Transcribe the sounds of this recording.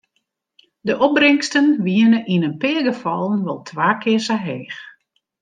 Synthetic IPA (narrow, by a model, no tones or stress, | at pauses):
dəʔɔb̚brɪŋstənʋiənəʔinənpɪːəɡəfɔlˠənʋɔlˠtʰʋaːkʰɪəsaɦeːx